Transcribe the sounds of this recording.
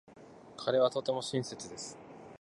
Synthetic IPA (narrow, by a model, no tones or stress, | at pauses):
kʰaɾe̞β̞at̪o̞t̪e̞mo̞ɕĩɰ̃se̞t͡sɨd̪e̞sɨ̥